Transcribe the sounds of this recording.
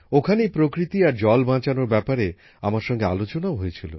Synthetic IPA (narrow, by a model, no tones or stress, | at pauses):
okʰanejpɾokɾit̪iaɾd͡ʑɔlbʱãt͡ɕanoɾbɛpaɾe | amaɾʃɔŋɡea̰lot͡ɕonaoɦojet͡ɕʰilo̰